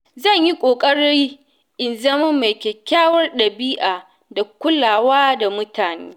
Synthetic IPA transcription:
zɐ˦˨ɲji˦kʷʼoː˨kʼɐ˦ɽi˦ | ʔɪ˨nzɐ˦mɐ˦mːa˨jkʲe˨kʲaː˦wɐ˦rɗɐ˨biː˦ʔaː˨ | da˨kʷʊ˦laː˨waː˦da˨mʊ˦tʰaː˨nḛː˦

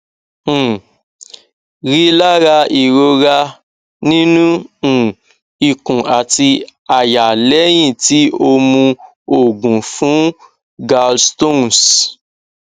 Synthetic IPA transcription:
ɾi˦la˦ɾa˧i˨ɾo˧ɾa˧ | nĩ˦nũ˦˨ | i˨kũ˨a˨ti˧a˨ja˨lɛ˨˦j̃ĩ˦˨ti˨˦o˧mũ˧ | o˦˨ɡũ˨fũ˨˦ | ɡa˧lsto˦ns

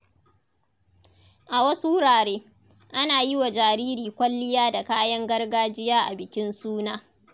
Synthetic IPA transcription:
ʔa˨wɐ˦su˦wʊ˦ɽaː˨ɽeː˦ | ʔa˦naː˨ji˦wa˨d͡ʒaː˨ɾiː˦ɾiː˨kʷɐ˦lːɪ˦jaː˦da˨kaː˦jɐ˦ŋɡɐ˦rɡaː˦d͡ʒɪ˦jaː˦ʔa˨bɪ˨kʲɪ˦nsuː˦naː˦

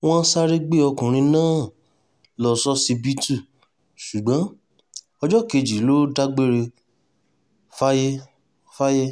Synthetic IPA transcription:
w̃ɔ̃˦sa˧ɾe˦˧ɡ͡be˦ɔ˧kũ˨ɾ̃ĩ˧nãː˦ | lɔ˨sɔ˦si˧bi˦tu˦˨ | su˨ɡ͡bã˨˦ | ɔ˧d͡ʒɔ˦˨ke˧˨d͡ʒi˨˦lo˦da˦ɡ͡be˦ɾe˧ | fa˦je˦ | fa˦je˦

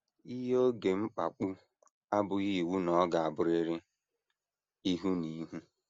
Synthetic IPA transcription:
i˦ɦo˦ɡe˨ŋ͡m̩˦k͡pa̰˨k͡pu˦ | a˦bʊ˨ɣi˦i˨wu˦nɔ˨˦ɡa˨a˨bʊ˦ɾe˦ɾɪ˦ | i˦ɦu˦ni˦ɦu˦

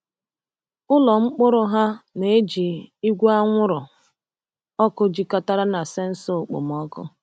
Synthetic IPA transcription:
ʊ˦lɔ˨ŋ͡m̩˦k͡pʊ˦ɾʊ˦ɦa˦ne˨˦d͡ʒi˨i˦ɡʷu˦a˦ŋʷʊ˦ɾʊ˨ | ɔ˦kʊ˦d͡ʒi˦ka˦ta˦ɾa˦na˨sɪ˦n̩˦so˦˨k͡pʊ̰˨m˨ɔ˦kʊ̰˦

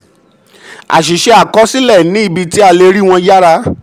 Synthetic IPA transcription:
a̰˨ʃ̬i˨ʃe˧a˨kɔ˨˦si˦lɛ˦˨nĩ˨˦i˦˨bi˧ti˦a˧le˧ɾi˦w̃ɔ̃˧ja˦ɾa˧

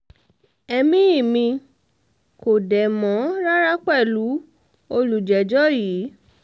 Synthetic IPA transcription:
ɛ˧mĩ˦i˦˨mĩ˧ | ko˨dɛ˨mɔ̃˨˦ɾa˦ɾa˦k͡pɛ˦˨lu˨˦ | o˧lu˨d͡ʒɛ˨d͡ʒɔ˦jiː˨˦

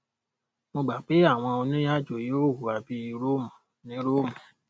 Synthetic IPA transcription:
mo˧ɡ͡ba˨k͡pe˨˦a˦˨w̃ɔ̃˧o˧nĩ˦ja˦˨d͡ʒo˨jo˦˨hu˨a˨bi˦i˧ɾo˦˨mɔ̃˨ | nĩ˦ɾo˦˨mɔ̃˨

